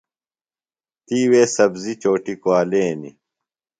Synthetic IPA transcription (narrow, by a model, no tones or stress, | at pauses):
t̪iːweːsɐbzit͡ɕoːʈikoaːleːnḭ